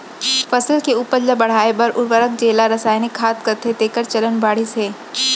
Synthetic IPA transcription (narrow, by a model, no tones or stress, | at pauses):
fɐsəlkeuːpəɾd͡ʒəbɐɽ̤aːebɐɾʔʊɾʋəɾək̚d͡ʒeːlaɾɐsaːjnikʰːaːt̪kɐt̪ʰet̪eːkəɾt͡ʃɐlənbaːɽɪsɦeː